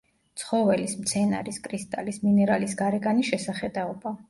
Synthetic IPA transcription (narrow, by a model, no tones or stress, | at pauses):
t̪sʰχɔvɛlismt̪sʰɛna̰ɾiskʼɾist̪ʼalisminɛɾalisɡaɾɛɡaniʃɛsaχɛd̪aɔba